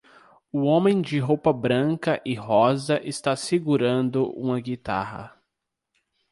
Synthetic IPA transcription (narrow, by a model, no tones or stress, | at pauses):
ʊõmẽj̃d͡ʒɪɦowpɐbɾɐ̃ŋkɐʔɪɦɔzɐʔɪst̪asiɡuɾɐ̃nd̪ʊʔṵ̃mɐɡit̪a̰ɦɐ̰